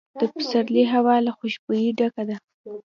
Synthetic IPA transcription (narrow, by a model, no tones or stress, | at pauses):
d̪̥əpə̥saɾliɦawɑlaxʊʃbojiɖakad̪a